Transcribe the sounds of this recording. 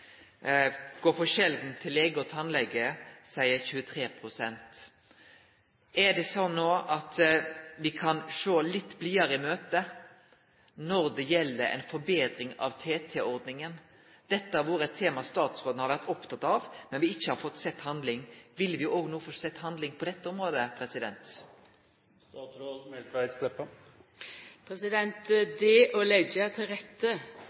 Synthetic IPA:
ɡ̥oːɾfɔʃɛld̪nt̪ʰɪleːɡəɔt̪ʰɑnlɛɡːəsæɪəɾçʉːət̪ʰɾeːpʰɾʊsɛnt̪ | ʔæd̪ɛsɔnːoːʔɑt̪ʋɪkʰɑnʂoːlɪt̪ːbliːɑɾəɪmøːt̪ə | nɔɾd̪ɛjɛlːəɾɛ̰ɪnfɔɾbeːd̪ɾɪŋɑ̰ʋt̪ʰeːt̪ʰɛɔɾd̪nɪŋən | d̪̥ɛt̪ːəæɾʋʊːɾəɛt̪ʰːeːmɑst̪ɑːt̪sʁoːd̪n̩hɑɾʋæɾt̪ɔpt̪ʰɑt̪ɑʋmɛnʋɪɪçːəhɑɾfɔt̪ːsɛt̪ːhɑnd̪lɪŋʋɪlːʋɪʔoːɡnuːfɔsɛt̪ːhɑnd̪lɪŋpʰɔd̪ɛt̪ːəʊmɾoːd̪əpʰɾɛsɪd̪ɛ̰nt̪ | st̪ɑːt̪sɾoːd̪mɛlæɪplɛpːə | pʰɾɛsɪd̪ɛnt̪d̪eːʔɔlɛɡət̪ʰɪlɾɛt̪ːə

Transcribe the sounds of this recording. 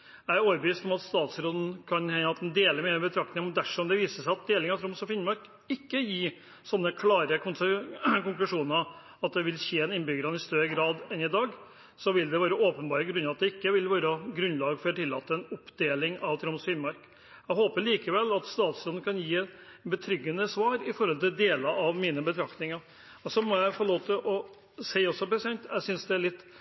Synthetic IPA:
jæɪæɾoːʋəɾbəʋiːst̪ɔmɑt̪st̪ɑːt̪sɾoːd̪n̩kʰɑnhɛɑt̪d̪nd̪eːləɾmeːəbət̪ʰɾɑk̚t̪ɪŋmɔnd̪æʂɔmd̪ɛʋiːsəʂæɪɑt̪̚d̪eːlɪŋɑʋt̪ʰɾʊmsɔfɪnmɑɾk | ɪkːəjiː | sɔnːəkʰlɑːɾəkʰʊnsəkʊŋklʉʂuːnəɾ | ɑt̪̚d̪ɛʋɪlçeːɛnɪnbʏɡəɾɑnɪst̪œɾəɡɾɑːd̪ɛnɪd̪ɑːɡ | sɔʋɪld̪ɛʋɑːɾəoːpənbɑːɾəɡɾʉnːɑʋɑt̪d̪ɛɪkːəʋɪlʋɑːɾəɡɾʉnlɑːɡfɔɾt̪ʰɪlːɑːt̪ːəɛnʊpd̪eːlɪŋɑʋt̪ʰɾɑmsiːmɑɾk | æɪɦoːpəɭiːkəʋɛlːɑt̪st̪ɑːt̪slɔn̩kʰɑnjiːɛt̪bət̪ʰɾʏɡːənəsʋɑːɾɪfɔɾhɔlt̪ɪld̪eːlɑʔɑʋmiːnəbət̪ʰɾɑkt̪ɪŋɑɾ | ɔsɔmɔjæɪfɔloːʋt̪ʰɪlʔɔ | sæɪɔsːɔpɾɛsɪɛnt̪ʰæɡsʏnsd̪ɛæɭɪt̪ː

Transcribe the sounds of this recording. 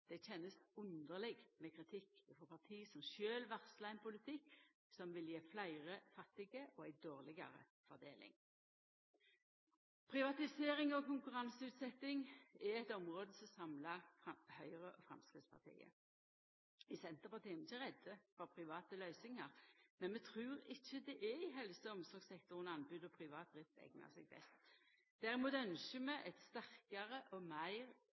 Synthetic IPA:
d̪̥ɛc͡çɛnːəsʊnd̪əʁlɪɡmɛkʰʁɪt̪ʰɪkːfɔʁpɑt̪ʰiːsɔmʃøːlʋɑʁslɑɛnpʊlɪt̪ʰɪkː | sɔmʋɪljeːflæɪʁəfɑt̪ːɪɡəʔɔæɪd̪oːʁlɪɡɑ̰ʁə̰ | fɔʁd̪eːlɪ̰ŋ | pʰʁɪʋɑt̪ɪseːɾɪŋɔkʊŋkʉʁɑnsəʉːt̪sɛt̪ːɪŋɪɛt̪ɔmʁoːd̪əsɔmsɑmlɑɑhœʏʁəʔɔfʁɑ̰mskʁɪt̪spʰɑ̰t̪ʰḭːə̰ | ɪsɛnt̪əpɑt̪ʰiːmɪçəʁɛd̪əfɔʁpʰʁɪʋɑːt̪əlœʏsɪŋɑʁmɛnmɛt̪ʰʁʉːʁɪçːəd̪ɛʔɛɪɦɛlsəɔmsɔʁɡsɛkt̪ʊʁənɑnbʉːd̪ɔpʰʁɪʋɑːt̪̚d̪ʁɪft̪ɛ̰ɡnɑ̰ʁsɛ̰ɡ̚bɛ̰st̪ | d̪̥æʁɪmuːt̪œnʃəmɛʔɛt̪st̪æʁkɑʁəʔɔmæɪʁ

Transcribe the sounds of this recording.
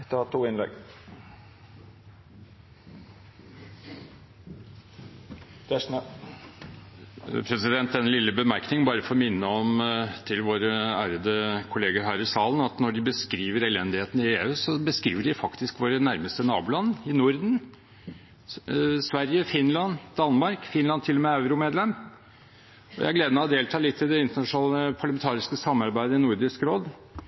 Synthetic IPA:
t̪əɑt̪ʰːuːɪnlɛ̰ɡ | d̪̥æʂnə | pʰɾɛsɪd̪ɛnt̪̚ːɛnːlɪlːəbəmæɾknɪŋəbɑːɾəfɔɾmɪnːəɔmt̪ʰɪlʋoːɾəæːɾəd̪əkʰʊleːɡəɾɦæːɾɪsɑːlənɑt̪nɔɖɪbəskɾiːʋəɾɛlɛnd̪ɪheːt̪n̩ɪeːʉːsɔbəskɾḭːʋəɖɪfɑkt̪ɪskʋoːɾənæɾməst̪ənɑːbʊlɑnːɪnʊɾd̪n | sʋæɾjəfɪnlɑnd̪̥ɑnmɑɾkfɪnlɑnt̪ʰɪlːɔmɛɑʉɾʊmeːd̪lɛm | ɔjæ̰æɾɡleːd̪əmɛɔd̪eːlt̪ʰɑːlɪt̪ʰːɪld̪ɛɪnt̪əɳɑʂʊnɑːləpʰɑɾlɑmɛnt̪ʰɑːɾɪskəsɑmːɑɾbæɪd̪əɪnʊɾɖɪskɾoːd̪

